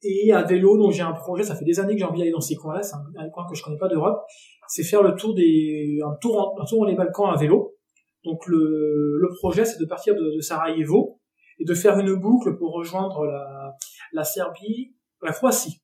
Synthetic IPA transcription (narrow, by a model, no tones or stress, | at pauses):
eavelod̪ɔ̃kʒeɛ̃pχɔʒɛsafɛd̪ezanekəʒeɑ̃vid̪aled̪ɑ̃sekwɛ̃lasɛɛ̃ɛ̃kwɛ̃kəʒəkɔnɛpad̪øʁɔp | sɛfɛʁlət̪uʁd̪eɛ̃t̪uʁɑ̃ɛ̃t̪uʁd̪ɑ̃lebalkɑ̃avelo | d̪̥ɔ̃klələpχɔʒɛsɛd̪əpaʁt̪iʁd̪əd̪əsaʁajevo | ed̪əfɛʁynbukləpuʁːəʒwɛ̃d̪ʁəla | lasɛʁbi | lakχwasi